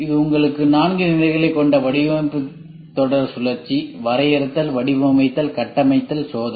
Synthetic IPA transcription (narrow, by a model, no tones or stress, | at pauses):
ɪðɯʊŋɡɐɭɯkːɯnaːnɡɯnɪlɐɪɣɐɭɐɪkːɔɳɖɐʋɐɽɪʋɐpɯ | t̪ːɔɽɐɾsʊlɐɾt͡ʃːiʋɐɾɐjɐɾɐt̪ːɐlʋɐɽɪʋɐmɐɪt̪ːɐlkɐʈːɐmɐɪt̪ːɐlsoːðɐ